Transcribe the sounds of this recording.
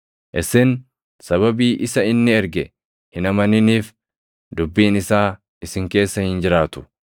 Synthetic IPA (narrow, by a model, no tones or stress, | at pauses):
ʔɪsɪn | sɐβɐbiːʔɪsɐɪnːɪɛɾɡɛ | hɪnɐmɐnɪniːf | d̪ʊbːiːnɪsaː | ɪsɪŋke̞ːsːɐhɪnd͡ʒɪɾaːt̪ʊ̥